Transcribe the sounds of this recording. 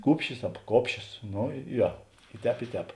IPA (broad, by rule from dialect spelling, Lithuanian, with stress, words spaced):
ˈkuːpʲʃʲɪs ɐp ˈkoːpʲʃʲoːs ˈnoː ˈjoː ɪ ˈtʲɛːp ɪ ˈtʲɛːp